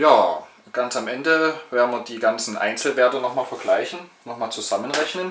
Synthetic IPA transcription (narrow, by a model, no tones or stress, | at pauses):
jaː | ɡ̥ansamʔɛndəv̥eːɐn̩viːɐdiːɡant͡sn̩ʔa̰ɪnt͡sl̩veːɐtənɔχmaːlfɛɐɡlaɪçn̩nɔχmaːlt͡suzamənʁɛçnən